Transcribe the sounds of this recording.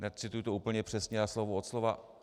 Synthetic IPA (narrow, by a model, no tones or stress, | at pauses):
nɛtt͡sɪt̪ujut̪ouːpl̩ɲɛpr̥ɛsɲɛaslovuot̪slova